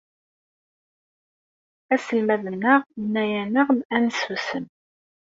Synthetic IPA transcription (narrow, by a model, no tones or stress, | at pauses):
æsəlmæðənːəʁənːæjænəʁænsusən